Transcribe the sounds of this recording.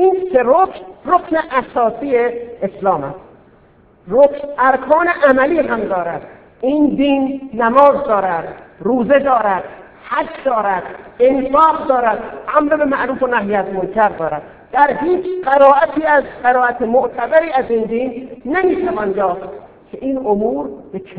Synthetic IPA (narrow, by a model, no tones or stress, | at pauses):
ʔiːnseɾoknrokʰneʔæsɒːsiːjeeslɒːmæst̪ | ɾokʰnæɾkʰɒːneʔæmæliːɦæmd̪ɒːɾæd̪̥ | iːnd̪iːnːæmɒːzd̪ɒːɾæd̪̥ɾuːze̞d̪ɒːɾæd̪̥ | hæd͡ʒd̪ɒːɾæd̪enfɒːqd̪ɒːɾæd̪ʔæmɾebemæʔɾuːfonæɦijæzmolcʰæɾd̪ɒːɾæd̪ | d̪̥æɾɦiːt͡ʃʰɢæɾɒːʔæt̪ʰiːæzɢæɾɒːæt̪ʰemoʔt̪ʰæbæɾiːæziːnd̪iːnːemiːt̪ʰævɒːnjɒːft̪ | kʲʰeʔiːnomuːɾbet͡ʃʰ